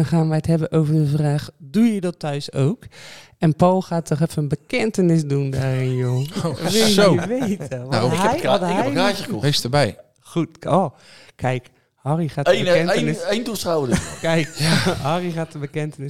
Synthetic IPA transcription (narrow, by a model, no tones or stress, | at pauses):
χaːnʋɛjthɛbənʔowvədəvraːχdujədɔtʰːœɥso̰wk | ɛnpɔlˠxaːtɔχɛfənənbəkɛntənɪs̬dundaːrɪnjoːʋesoʋejtəʋajjəaːkəkɔestəbɛj | χutoː | kʰɛjk | hɔriχaːəɛnnɪsejndusawədkɛjkɦɔrixaːtəbəkɛntənɪs